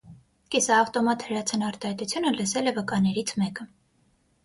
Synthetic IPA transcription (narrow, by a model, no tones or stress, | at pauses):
kɛsɑːft̪ɔmɑt̪həɾɑt͡sʰənɑɾt̪ɑhɑjt̪ut͡sʰjunələsɛlɛvəkɑnɛɾit͡sʰmɛkə